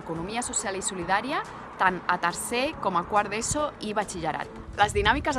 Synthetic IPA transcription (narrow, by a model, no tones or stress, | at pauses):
kunumiasusjalisuliðaɾia | t̪anat̪əɾsekomakwaɾðesoiβat͡ʃiʒaɾa̰t̪̚ləzðinamikəz